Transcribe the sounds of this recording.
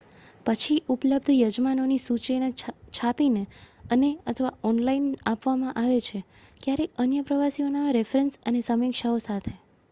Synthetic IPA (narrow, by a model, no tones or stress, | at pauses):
pət͡ʃʰiʔupləb̚d̪ʱjəd͡ʒmanonisut͡ʃenet͡ʃʰapineəneət̪ʰəʋaɔnlainapʋamãʔaʋet͡ʃʰe | kjaɾeənjəpɾəʋasionaɾefɾensənesəmikʃaosat̪ʰe